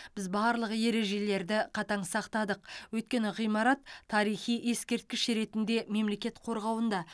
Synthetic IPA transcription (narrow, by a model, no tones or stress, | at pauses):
b̥ɪzbɑːɾlˠəqje̞ɾe̞ʒe̞le̞ɾd̪ɪqʰɑt̪ɑɴsɑqt̪ɑd̪əqwɵjt̪̚kʲe̞nɪʁijmɑɾɑt̪ʰːɑɾijχijje̞skʲe̞ɾt̪̚kʲɪʃɾe̞t̪ɪnd̪e̞me̞mle̞kʲe̞t̪qʰo̞ɾʁɑwənd̪ɑ